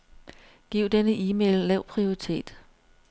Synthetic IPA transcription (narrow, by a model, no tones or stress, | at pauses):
ɡ̥iʊ̰d̥enəʔiːmḛlːɛʊ̰pʰʁio̝ʁit͡sʰe̝̰ːd̥